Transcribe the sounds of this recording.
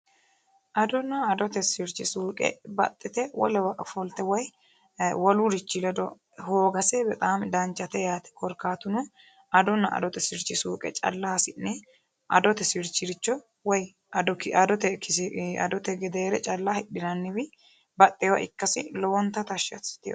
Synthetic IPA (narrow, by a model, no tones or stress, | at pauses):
ʔɐd̪ɔnɐːd̪ɔt̪ɛsɪɾt͡ʃːɪsuːkʼɛ̰bɐ̰t̪ʼːɪt̪ɛwɔ̰lɛwɐfɔlt̪ɛwɔj | wɔluɾɪt͡ʃːɪlɛd̪ɔ | hoːɡɐsɛbɛt̪ʼaːmd̪ɐnt͡ʃːɐt̪ɛjaːt̪ɛ̥kɔɾkaːt̪ʊnʊ | ʔɐd̪ɔnːɐɐ̰d̪ɔt̪ɛsɪɾt͡ʃːɪsuːkʼɛ̰t͡ʃʼɐ̰lːasɪnːɛ | ʔɐ̰d̪ɔt̪ɛsɪɾt͡ʃːɪɾɪt͡ʃːɔ | wɔj | d̪ɔkɐd̪ɔt̪ɛkɪsɐ̰d̪ɔt̪ɛɡɛd̪eːɾɛt͡ʃʼɐlːahɪɗːɪnɐnːɪbɪ | bɐt̪ʼːɛwɐ̰ʔɪ̰kːɐsɪ̰lɔwɔnt̪ːɐt̪ɐʃɐ̰̥sɪ̥t̪ɪjɔ